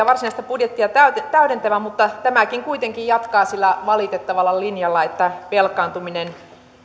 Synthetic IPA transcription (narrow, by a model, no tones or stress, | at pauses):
ɑʋɑrsinɑist̪ɑpudjet̪ːiɑt̪æyt̪et̪æyɾent̪æʋæmut̪ːɑt̪æmækiŋkuit̪eŋkijjɑt̪kɑːsilːæʋɑlit̪et̪ːɑʋɑlːɑlinjɑlːɑet̪ːæpelkˑɑːnt̪uminen